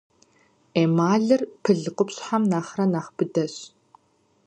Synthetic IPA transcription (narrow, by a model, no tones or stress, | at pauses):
eːmaːɮɨrpʰɨɮɨqʊpɕħamnaːχrɐnaːχbɨdɐɕ